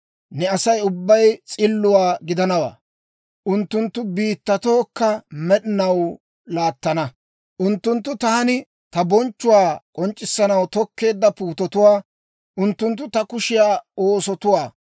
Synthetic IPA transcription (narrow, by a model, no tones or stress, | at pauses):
nɛɐsɐjʊbːɐjt͡sʼɪlːʊwaːɡɪd̪ɐnɐwa̰ː | ʔʊnt̪ːʊnt̪ːʊbiːt̪ːɐt̪o̞ːkːɐmɛɗɪnɐw | laːt̪ːɐnɐ | ʔʊnt̪ːʊnt̪ːʊt̪aːnɪ | t̪ɐbɔnt͡ʃːʊwaːkʼɔnt͡ʃʼːɪsːɐnɐwt̪ɔkːe̞ːd̪ːɐpuːt̪ɔt̪ʊwaː | ʔʊnt̪ːʊnt̪̬ːʊt̪ɐkʊʃɪjaːoːsɔt̪ʊwaː